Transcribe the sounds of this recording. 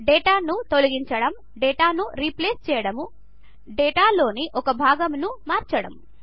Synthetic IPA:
ɖɛːʈaːnut̪olɐɡiɲt͡ʃɐɽɐm | ɖɛːʈaːnuɾipleːst͡ʃɛːjɐɽɐmu | ɖɛːʈaːlo̞ːniʔɔkɐbʱaːɡɐmnumaːɾt͡ʃɐɽɐm

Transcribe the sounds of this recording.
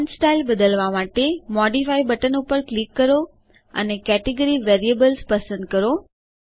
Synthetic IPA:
nsʈajlbəd̪əlʋamaʈemɔɖifaibəʈənupəɾklikːəɾo | ə̰nekɛʈeɡəɾiʋeɾiəbəlspəsə̃nd̪̚kəɾo

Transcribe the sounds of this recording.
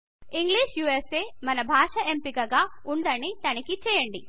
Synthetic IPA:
iŋɡɭiːʂjuːeseːmɐnɐbʱaːʂɐʔempiɡɐɡɐuɳɖɐɳit̪ɐnɐkːit͡ʃɛjɐɳɖi

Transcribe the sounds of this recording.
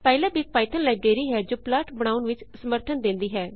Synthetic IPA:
pɛːlɛ̃ːbɪk̚paːɪt̪ʰənlaːbɾeːɾiːɦɛːd͡ʒoːplaːʈbəɽ̃aːʊnʋɪt͡ʃsəməɾt̪ʰənd̪ɪ̃nd̪iːɦɛː

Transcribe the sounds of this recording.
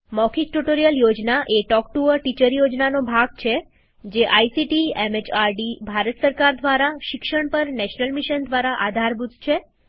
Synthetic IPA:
mɔkʰik̚ʈuʈoɾijəljod͡ʒnaʔeʈɔkʈuəɾʈit͡ʃəɾjod͡ʒnanobʱaɡ̚t͡ʃʰe | d͡ʒeʔajsiʈiemet͡ʃʰaɾɖibʱaɾət̪səɾkaɾd̪ʋaɾaʃɪkʃəɳ̃pəɾnɛʃnəlmiʃənd̪ʋaɾaʔad̪ʱaɾbud̪ʱt͡ʃʰe

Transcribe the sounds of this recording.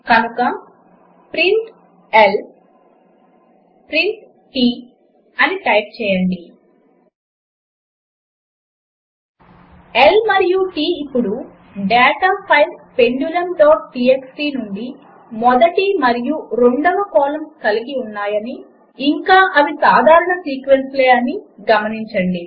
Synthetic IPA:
kɐnukɐ | pɾiɳʈ | el | pɾiɳʈ | ʈiː | ɐniʈɐjp̚t͡ʃɛːjɐɳɖi | elmɐɾijuʈiːpːuɽu | ɖɛːʈaːpʰɐjʋpe̞ɳɖjulɐnʈoːʈiːeksʈiːnuɳɖi | mɔd̪ɐʈimɐɾijuɾeɳɖɐʋɐkɔːlɐmkɐliɡiunːaːjɐniː | ŋkaːʔɐʋisaːd̪ʱaːɾuɳɐsiːkʋensleːɐniɡɐmɐniɲt͡ʃɐɳɖi

